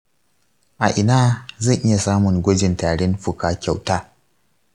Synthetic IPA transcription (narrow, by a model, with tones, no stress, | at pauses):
ʔa˨ʔɪ˨naː˦zɐ˦˨ŋʔɪ˦ja˨saː˦mʊ˨ŋɡʷɔ˦d͡ʒɪ˨ntaː˨ɽɛ˦nɸʊ˨kaː˨kʲa˨wtaː˦